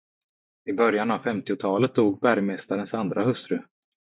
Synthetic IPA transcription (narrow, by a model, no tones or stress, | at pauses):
ɪbœɾjanavfɛmt̪ɪʊt̪ʰɑːlət̪̚d̪uːɡ̚bæɾjmɛst̪aɾənsand̪ɾʔahɵst̪ɾɵ